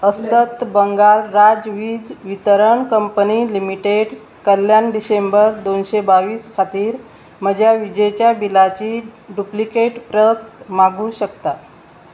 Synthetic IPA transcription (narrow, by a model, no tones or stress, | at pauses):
əst̪ət̪bəŋɡalːad͡zʋiːd͡zʋit̪əɾəɳkəmpənilimiʈeɖ | kəl̤janɖisembəɾd̪onɕebaʋiːskʰat̪iːɾ | məd͡ʑʱjaʋid͡ʑet͡ɕjabilat͡ɕiɖuplikeʈpɾət̪maɡʱuɕəkt̪a